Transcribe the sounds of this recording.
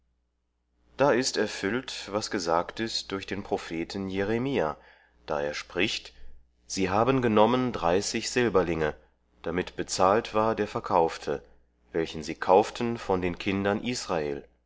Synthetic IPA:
d̥aːɪstɛɐfʏltvasɡ̥əzaːktɪstd̥ʊɐçd̥eːnpʁ̥ofeːtn̩jeʁemiːa | d̥a̰ːʔeːɐʃpʁ̥ɪçt | z̥iːɦaːbənɡənɔməndʁaɪsɪçz̥ɪlbɐlɪŋə | d̥amɪtb̥ət͡saːltv̥aːɐdeːɐfɛɐkʰaʊftʰə | vɛlçn̩ziːkʰaʊftʰənfɔndeːnkʰɪndɐnʔiːsʁ̥aḛːl

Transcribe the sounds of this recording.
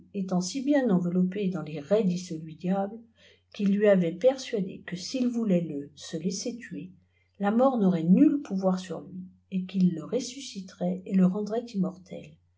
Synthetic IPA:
et̪ɑ̃sibjɛ̃nɑ̃vəlɔped̪ɑ̃leʁɛd̪isəlɥid̪jabl | kilːɥiavɛpɛʁsɥad̪ḛkəsilvulɛləsəleset̪ɥe | lamɔʁnɔʁɛnylpʰuvwaʁsyʁlɥi | ekilːəʁesysit̪ʁɛeləʁɑ̃d̪ʁɛt̪imɔʁt̪ʰɛ̰l

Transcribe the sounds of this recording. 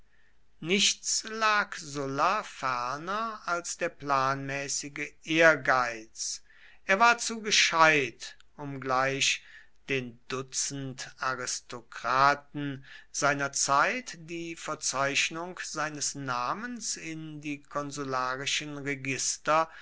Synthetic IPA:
nɪʃtt͡slaːkzʊlafɛɐnɐalsd̥eːɐplaːnmɛːsɪɡəʔeːɐɡaɪt͡s | ʔeːɐvaːɐt͡suːɡəʃaɪt | ʊmɡlaɪʃ | d̥eːndʊt͡sən̩taʁɪstokʁ̥aːtn̩z̥aɪnɐt͡saɪtd̥iːfɛɐt͡saɪʃnʊŋkz̥aɪnəsnaːmənsɪndiːkʰɔnzulaːʁɪʃənʁɛɡɪstɐ

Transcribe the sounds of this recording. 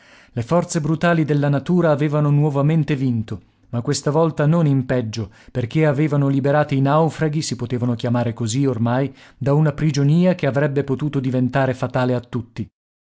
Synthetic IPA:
lefɔrt̪sebɾut̪aːlid̪elːanat̪uːɾaːveːvanonwɔvament̪evint̪o | makːwest̪avɔlt̪anonimpɛd͡ʒːo | perk̟eaveːvanolibeɾaːt̪iːnawfɾaɡisipot̪eːvanok̟jamaːɾekoziormajd̪aunapɾid͡ʒoniːak̟eavɾɛbːepot̪uːt̪od̪ivent̪aːɾefat̪aːleat̪ːut̪ːi

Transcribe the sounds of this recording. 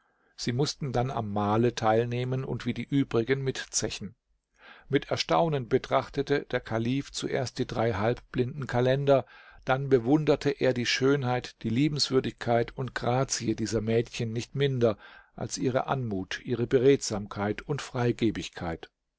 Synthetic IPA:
z̥iːmʊstn̩dana̰mːaːlətʰaɪlneːmənʊ̰ntv̥iːdiːʔyːbʁɪɡənmɪtt͡sɛçn̩ | mɪtɛɐʃta̰ʊnənbətʁ̥aχtətəd̥eːɐkʰaliːft͡suʔḛːɐst̚d̥iːdʁaɪɦalp̚b̥lɪndn̩kʰalɛndɐd̥anbəvʊndɐtʰəʔeːɐdiːʃøːnhaɪtd̥iːliːbm̩sv̥ʏɐdɪçkʰaɪtʊntɡ̥ʁaːt͡siədiːzɐmɛːtçənːɪçtmɪndɐʔa̰lsʔiːʁ̞ə̰ʔa̰nmuːtʔiːʁəbəʁeːtz̥aːmkʰaɪtʊntfʁ̥aɪɡeːbɪçkʰaɪt

